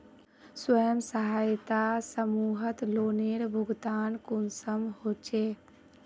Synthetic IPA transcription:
swəjəmsəɦaːjt̪asəmuːɦət̪loːneɾbʱʊɡd̪aːnkunsəmhoːt͡ʃeː

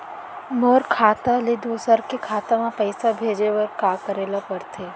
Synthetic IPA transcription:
moːɾkʰaːt̪aled̪uːsəɾkekʰaːt̪amãpəɪsabʱeːd͡ʒeʋɐɾkaːkəɾeːlapɐɾt̪ʰeː

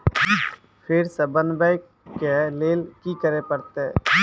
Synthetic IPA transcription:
pʰɪɾsəbənbəɪkː | eleːlkikəɾepəɾt̪e

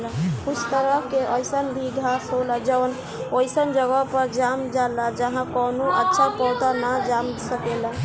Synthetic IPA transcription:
lkut͡ʃʰt̪əɾəkeʔəjsənbʱiɡʱasɦolad͡ʒəwn | ojsənd͡ʒəɡəpəɾd͡ʒamd͡ʒalad͡ʒəɦãkɔnoʔətːʃʰapɔt̪anad͡ʒamsəkela

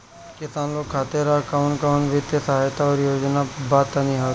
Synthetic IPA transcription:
kɪsaːnlokkʰːaːt̪eɾakaʊnkaʊnʋɪt̪jəsɐɦaːjt̪aɔːɾjoːd͡ʒnabaːt̪aniɦaː

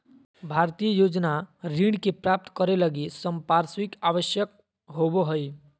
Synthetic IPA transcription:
bʱaɾt̪ijəjod͡ʒnaɾiɖkepɾap̚t̪kəɾeləɡisəmpaɾswikaʋəsjək̚ | ɦoboɦəj

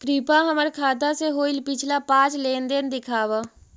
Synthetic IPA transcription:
kɾipaɦəməɾkʰaːd̪aseɦoːɪlpɪt͡ʃʰlapãːt͡ʃleːnd̪ɪnd̪ɪkʰaːʋaː

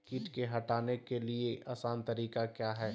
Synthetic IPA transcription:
kɪʈkeɦɐʈaːnekelieʔaːsaːnt̪ɐɾiːkakjaːɦɛː

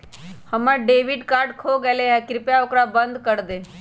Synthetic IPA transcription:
həməɖeːʋɪɖkaːɾɖkʰoɡɛleɛ̃kɾɪpjaokɾabə̃nd̪kəɾd̪eː

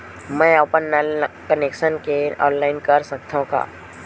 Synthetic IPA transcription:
mɛ̃ːoːpənkəneːkʃənkeɔ̰̃ːnlaːɪnkɐɾsɐk̚t̪ʰõka̰ː

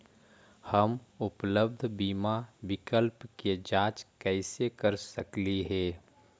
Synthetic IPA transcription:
həmʊpləb̚d̪ʱbiːmabɪkəlpked͡ʒaːt͡ʃkɛːɪsekəɾsəkliɦɛː

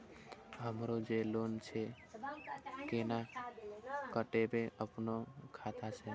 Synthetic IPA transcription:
ɦəmɾod͡ʒelont͡ʃʰɛ | kena | kəʈebeʔəpnokʰat̪ʰat͡ʃʰɛ

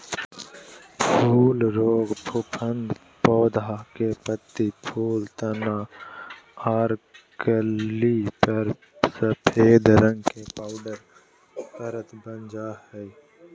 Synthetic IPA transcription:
pʰuːlɾoːɡbʰʊpʰənd̪ | poːd̪akepət̪ːipʰuːlt̪əna | aːɾkəlipəɾ | səpʰeːd̪ɾə̃ŋɡkepaːʊɖəɾ | təɾət̪bənd͡ʒahɛ

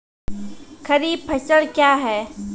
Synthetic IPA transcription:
kʰɐɾiːb̚pʰɐsəlkjaːɦɛː

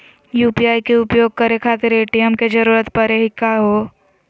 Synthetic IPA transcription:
juːpijaːikeʊpjoːɡ̚kəɾekʰaːt̪eɾeːʈijəmked͡ʒɐɾuːɾət̪pɐɾeɦɪkːaɦoː

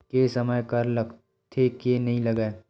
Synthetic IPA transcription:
kesɐməjkɐɾlɐɡ | t̪ʰekenɐɦĩlɐɡae

